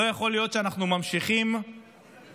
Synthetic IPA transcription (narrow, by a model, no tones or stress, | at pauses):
ojaχo̞lijo̞tʃeanaχnumamʃiχim